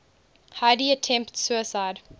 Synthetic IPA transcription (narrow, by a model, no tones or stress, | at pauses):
haɪdiətʰɛ̃mptsuəsaɪd